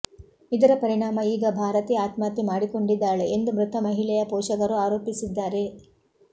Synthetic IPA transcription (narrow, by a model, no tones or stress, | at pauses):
id̪ɐɾɐpɐɾiɳaːmɐiːɡɐbʱaːɾɐt̪iaːt̪maːt̪imaːɽiko̞ɳɖid̪ːaːɭeʔend̪umɾut̪ʰɐmɐɦilɛjɐpɔːʃɐkɐɾuaːɾoːpisid̪ːaːɾe̞